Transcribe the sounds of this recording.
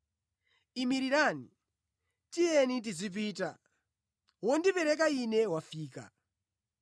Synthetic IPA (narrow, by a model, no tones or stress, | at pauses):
imiɾiɾaːni | tijɛnit̬izip̬iːta̰ | wɔndipɛɾɛk̬ainɛwafiːka̰